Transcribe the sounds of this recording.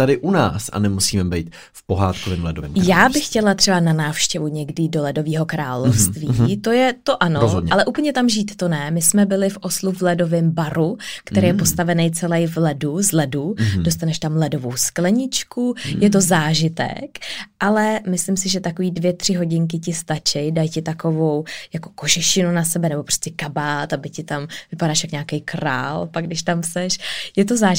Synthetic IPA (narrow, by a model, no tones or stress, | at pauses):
t̪adɪʔuna̰ːsa̰nɛmusiːmɛbɛjt̪ | fpo̞ɦaːt̪kovɪmlɛdovɪ̰mjaːbɪxːcɛlat̪r̥ɛbananaːfʃcɛvuɲɛɡdɪdo̞lɛdo̞viːɦo̞kɾaːlofst̪vit̪o̞jɛt̪o̞ʔanozodɲɛalɛʔuːpl̩ɲɛt̪amʒiːt̪ːonɛmɪsmɛbɪlɪfʔo̞sluvlɛdo̞vɪmbaɾukt̪ɛɾeːjɛpo̞st̪avɛnɛjt͡sɛlɛjvlɛduzlɛdudost̪anɛʃt̪amlɛdo̞vo̰wsklɛɲɪt͡ʃkujɛt̪̬o̞zaːʒɪt̪ɛ̰kʔalɛmɪslɪmsɪʒɛt̪akoviːdvjɛt̪r̥ɪɦo̞ɟɪŋk̬ɪcɪst̪at͡ʃɛjdajcɪt̪ako̞vo̞wjako̞̥ko̞ʒɛʃɪnunasɛbɛnɛbo̞pɾo̥scɛkabaːt̪abɪcɪt̪amvɪpadaːʃjakɲaːkɛjkɾa̰ːlpaɡdɪʃt̪amsɛʃjɛt̪̬o̞zaː